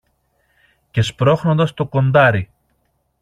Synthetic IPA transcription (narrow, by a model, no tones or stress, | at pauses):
ce̞spɾo̞xno̞nd̪ɐst̪o̞ko̞nd̪ɐɾi